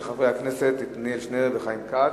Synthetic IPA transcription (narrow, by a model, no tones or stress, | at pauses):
χavʁejhakneset̪ːit̪nilʃneeveχajimka